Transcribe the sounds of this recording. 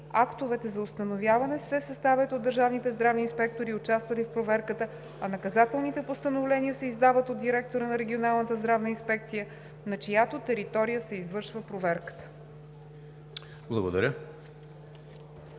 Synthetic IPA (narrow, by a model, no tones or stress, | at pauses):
akt̪ovɛt̪ɛzɐʊst̪ənovjavɐnɛsɛsɐst̪avʲɛt̪od̪ːəɾʒavnit̪ɛzd̪ɾavniːnspɛk̚t̪oɾiʊt͡ʃast̪vəlifpɾovɛɾkət̪ə | ɐnɐkɐzat̪ɛlˠnit̪ɛpost̪ənovlɛniəsɛizd̪avət̪od̪̚d̪iɾɛk̚t̪oɾənɐɾɛɡʲionalˠnət̪əzd̪ɾavnəinspɛk̚t̪sijə | nɐt͡ʃɐjat̪ot̪ɛɾit̪ɔɾijəsɛizvɤɾʃvəpɾovɛɾkə̥t̪ə̥ | blˠɐɡod̪ɐɾʲə